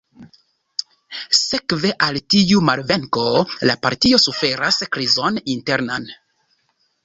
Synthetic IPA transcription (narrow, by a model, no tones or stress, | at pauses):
se̞kve̞ʔaltiumalve̞ŋko̞lapaɾtio̞sufe̞ɾaskɾizo̞ninte̞ɾnan